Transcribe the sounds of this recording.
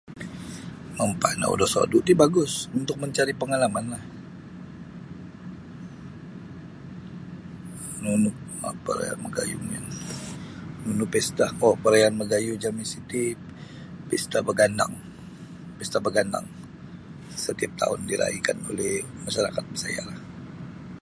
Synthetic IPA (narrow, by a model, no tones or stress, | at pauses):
məmpa̰na̰ṵdasa̰duʔt̪ibaɡʊsunt̪ʊk̚məɲt͡ʃaɾipəŋalamanlah | nunʊ | pəɾa̰a̰nməɡa̰jṵŋan | nunʊpɛst̪ahopəɾajanməɡajud͡ʒaminsit̪i | pɛst̪abəɡanda̰ŋ | pɛst̪abəɡanda̰ŋ | sət̪iap̚t̪a̰ʊndiɾa̰ikanolɛhmaʃaɾakat̪̚bəsa̰ja̰lah